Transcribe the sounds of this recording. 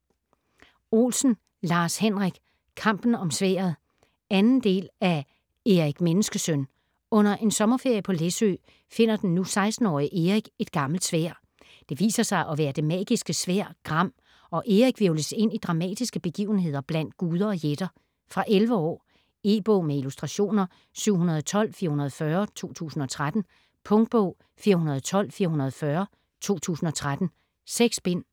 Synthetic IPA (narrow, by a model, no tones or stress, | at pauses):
o̝̰ːlsn̩ | lɑ̈ːshenʁaɡ̥ | kʰɑ̈m̰b̥n̩ɒ̽msʋḛːɐðˠ | ænn̩d̥e̝̰ːlæ | e̝ʁiɡ̥menəsɡ̥əsøn | ɔ̽n̰ɐʔe̝nsɒ̽mɐfe̝ɐ̰jəpʰɒ̽lesø̰ː | fe̝n̰ɐd̥enːusɑ̈ɪsd̥n̩ɒ̰ːiʔe̝ʁiɡ̥e̝d̥ɡ̥ɑ̈ml̩d̥sʋæ̰ɐ̰ | d̥e̝ʋḭːsɐsɑ̈ɪʔɒ̽ʋæːɐd̥e̝mɛ̰ːɡ̥isɡ̥əsʋæɐ̰ɡ̥ʁɑ̈m̰ | ɒ̽ʔe̝ʁiɡ̥ʋeʊləse̝n̰id̥ʁɑ̈mɛ̰ːd̥isɡ̥əb̥e̝ɡ̥ḭːʊn̩ɦe̝ð̞̰ˠɐb̥læn̰d̥ɡ̥uːð̞ˠɐɒ̽jed̥ɐ | fʁɑ̈ʔelʋəɒ̰ː | e̝ːb̥ɔʊ̰meilusd̥ʁɑ̈ɕo̝̰ːnɐ | syʊ̰ɦunɐðˠɒt͡sʰɒ̽l̰fiːɐhunɐð̞̩ˠfɶːɐt͡sʰo̝̰ːt͡sʰṵːsn̩ɒ̽t͡sʰʁad̥n̩ | pʰɔ̽ŋd̥̚b̥ɔ̰ʊ̰ | fiːɐɦunɐð̞ˠt͡sʰɒ̽l̰fiːɐhunɐð̞ˠfɶːɐ | t͡sʰo̝̰ːt͡sʰṵːsn̩ɒ̽t͡sʰʁad̥n̩ | seɡ̥sb̥en̰